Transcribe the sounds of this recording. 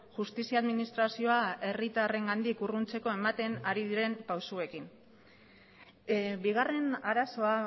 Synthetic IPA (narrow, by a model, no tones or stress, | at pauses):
ʝust̪isiaðminist̪ɾasio̞ae̞rit̪are̞ŋɡand̪ikurunt͡se̞ko̞e̞mat̪e̞naɾiðiɾe̞mpawsue̞kin | biɣare̞naɾaso̞a